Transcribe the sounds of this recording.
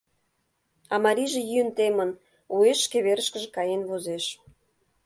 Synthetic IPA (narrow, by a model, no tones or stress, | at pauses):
ɑmɑɾʲiʒĕjynt̪emən | oeʃkeβeɾə̆ʃkə̆ʒekɑjenβozeʃ